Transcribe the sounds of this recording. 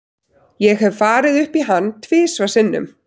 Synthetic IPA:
jɛɣhɛvfaːɾɪðʏhpiɦanːt̪ʰvɪːsvasɪnːʏ̰m

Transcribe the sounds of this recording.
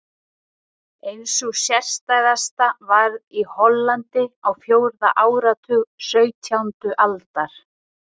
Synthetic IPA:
ejnsɔɣsjɛr̥st̪ajðast̪avaɾðihɔlːant̪ɪawfjoːwɾðaʔaːwɾat̪ʰʏɣsœɥt̪ʰjawnt̪ʏʔalt̪aɾ̥

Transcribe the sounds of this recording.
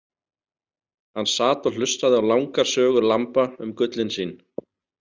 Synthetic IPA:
hanːsaːt̪ɔl̥ʏst̪aðɪawlawŋkaɾ̥sœːɣʏɾlampaʏmkʏt̪lɪnsiːn

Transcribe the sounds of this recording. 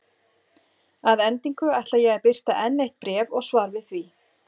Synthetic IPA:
aðɛnt̪iŋkʏajht̪lajɛɣɛɾpɪr̥t̪aʔɛnːeht̪̚pɾɛːvɔɣsvaːɾvɪðθvi

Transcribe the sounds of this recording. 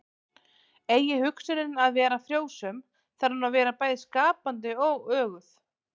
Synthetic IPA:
eːjɪhʏksʏɾɪnaðvɛːɾafɾjoːwsœm | θaɾ̥hunavɛːɾapaːjðɪskaːpant̪ɪɔɣœːɣʏθ

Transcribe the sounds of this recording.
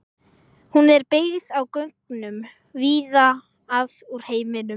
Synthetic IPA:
hunɛɾpɪɣðawkœŋknʏm | viːða | aðuɾ̥heːjmɪnʏm

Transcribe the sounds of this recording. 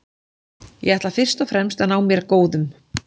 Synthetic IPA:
jɛɣɛht̪lafɪr̥st̪ɔfɾɛmst̪anaːwmjɛɾkoːwðʏm

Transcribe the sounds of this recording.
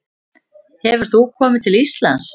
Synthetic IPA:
hɛvʏɾ̥θukʰɔːmɪt̪ʰɪlist̪la̰ns

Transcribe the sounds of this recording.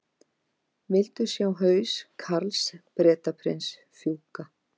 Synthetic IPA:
vɪlt̪ʏsjaːwɦœːɥskʰaɾlspɾɛːt̪apʰɾɪns | fjuːwka

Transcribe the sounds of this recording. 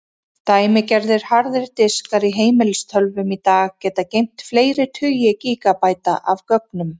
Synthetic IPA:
t̪aːjmɪcɛɾðɪɾ̥haɾðɪɾt̪ɪskaɾiɦeːjmɪlst̪ʰœlvʏmit̪aːɣcɛːt̪acejm̥t̪fleːjɾɪt̪ʰʏjɪciːkapaːjt̪aʔavkœpnʏm

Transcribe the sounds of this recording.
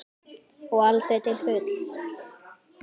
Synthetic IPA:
ɔɣalt̪ɛt̪ɪlfʏːt̪l̥

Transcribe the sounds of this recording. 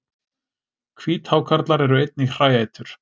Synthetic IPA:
kʰviːt̪haːwkʰaɾt̪laɾɛɾʏejt̪̚nir̥aːjajt̪ʏɾ̥

